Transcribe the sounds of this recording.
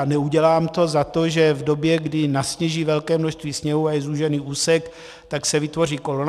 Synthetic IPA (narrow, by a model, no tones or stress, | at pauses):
nɛuɟɛlaːmt̪o̞zat̪o̞ʒɛvdo̞bjɛɡdɪnasɲɛʒiːvɛlkɛːmnoʃst̪viːsɲɛɦuajɛzuːʒɛniːʔuːsɛk | t̪aksɛvɪt̪vo̞r̝iːko̞lon